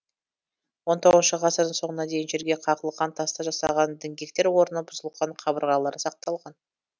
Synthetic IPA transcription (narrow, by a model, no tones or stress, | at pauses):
wo̞nt̪ʰo̞ʁəznʃəʁɑsəɾd̪əɴso̞ɴənɑd̪e̞jɪnʒe̞ɾɡʲe̞qʰɑqəlˠəqːɑnt̪ʰɑst̪ɑʒɑsɑ̰ʁɑnd̪ɪŋɡʲe̞k̚t̪e̞ɾwo̞ɾənəbʊzəlˠqɑɴqʰɑbəɾʁɑlˠɑɾəsɑq̚t̪ɑlˠʁɑn